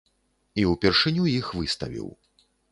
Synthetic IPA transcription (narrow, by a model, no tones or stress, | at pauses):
iwpʲɛrʂɨnʲujixvɨst̪ɐvʲḭw